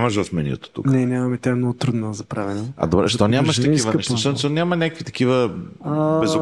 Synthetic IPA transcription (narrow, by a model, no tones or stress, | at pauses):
mɐʃvɐfmɛnʲḭt̪o̥t̪ṵknɛnʲamɐmɛt̪ʲaɛmnɔɡʊt̪ɾud̪nozɐpɾavɛnoɐ̰d̪obɾɛʃt̪ɔnʲamɐʃt̪ɐkivənɛʃt̪asɛsɛnʲamɐnʲakəkvit̪ɐ̥k̟ivə | bɛzʊ